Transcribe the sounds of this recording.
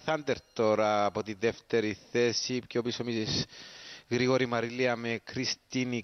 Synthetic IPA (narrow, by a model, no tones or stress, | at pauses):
θɐnd̪eɾt̪o̞ɾɐːpot̪iðeft̪e̞ɾiθe̞sipcopisomis | ɣɾiɣoɾimɐɾiliɐmekɾist̪ini